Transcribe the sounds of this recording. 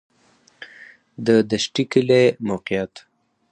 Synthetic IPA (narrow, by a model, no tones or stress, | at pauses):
d̪əd̪aʃʈikilemowqijat̪